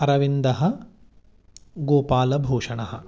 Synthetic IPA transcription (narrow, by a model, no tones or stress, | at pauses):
ɐɾɐʋind̪ɐɦɐ̆ | ɡoːpaːlɐbʱoːʂɐɳɐɦɐ̰